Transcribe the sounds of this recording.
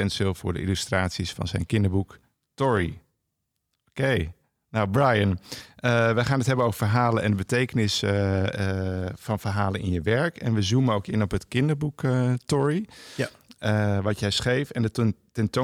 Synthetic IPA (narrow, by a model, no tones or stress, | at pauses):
ɛntsɪlˠfʊ̰ːɹdə̰ʔḭlystraːtsisfɑ̰nzɛ̰jnkɪndəɹbuk | tɔɹi | okej | nawbrajənəʋəχaːnətɦɛbənowvəɹfərɦaːlənɛndəbətejkənɪs | fɑnvərɦaːlənʔɪ̰njəʋɛɹkɛnʋəzuməowkɪnɔpətkɪndəɹbukətɔɹi | əʋɑtjɛjsχejfɛndətuntɛnto